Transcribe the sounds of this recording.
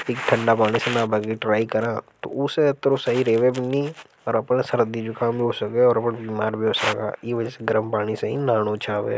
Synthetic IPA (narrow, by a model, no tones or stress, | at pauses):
eːk̚ʈʰə̃ɳɖapaːɽ̃isenaːbʱɐɡeʈɾaːikɐɾaːt̪o̰ʊseɐt̪ːɾosɐɦiɾeːʋebʱinĩ | ɔːɾɐpnsɐɾəd̪id͡ʒʊkãbʱiɦoːsɐkeɔːɾɐpnbiːmaːɾbʱiɦoːsəka̰ːjiʋɐd͡ʒəseɡɐɾəmpaːɽ̃iseɦĩnaːñot͡ʃʰaːʋḛː